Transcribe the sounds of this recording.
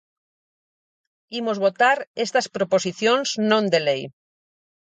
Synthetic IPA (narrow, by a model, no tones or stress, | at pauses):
imozβot̪aɾest̪aspɾoposiθjõnznõnd̪elej